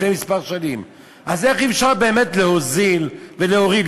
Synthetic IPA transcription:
nemispaʁʃanim | ʔaze̞χifʃaʁbe̞ːme̞tleho̞zilveleoʁid

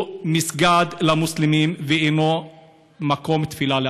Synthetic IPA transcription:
misɡad̪lamuslimimveeno | makomt̪filale

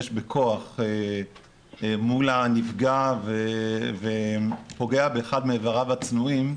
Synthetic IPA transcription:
ʃbekʰo̞aχe | mulanifɡavevepo̞ɡe̞abeːχad̪meːvaʁavat͡snuim

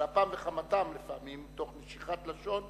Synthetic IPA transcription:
apamveχamatamlefaamimto̞χneʃiχat̪laʃo̞n

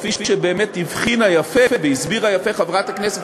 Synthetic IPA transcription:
fifiʃebeːmetivχinajafefeveizbiʁajafe̞χavʁat̪hakneset

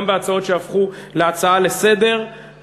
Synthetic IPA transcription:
mveat͡sao̞tʃeafχuleat͡saale̞se̞de̞ʁ

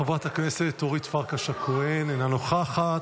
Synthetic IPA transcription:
vat̪akneset̪oʁit̪faʁkaʃakoenenanoχaχat

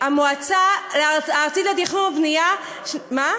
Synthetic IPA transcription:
amoat͡saleaːʁt͡sitad̪iχumavnija | ma

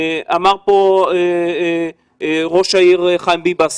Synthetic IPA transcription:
amaʁpoe | ʁo̞ʃaiʁeχajmbibas

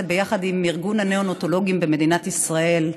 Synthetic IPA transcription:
bejaχad̪imiʁɡunaneonot̪olo̞ɡimbemed̪inat̪isʁae̞l

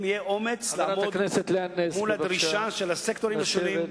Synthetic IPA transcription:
mijeʔomet͡slɾaadkneset̪leanesmulaɾiʃaʃelasekt̪oɾimʃeive

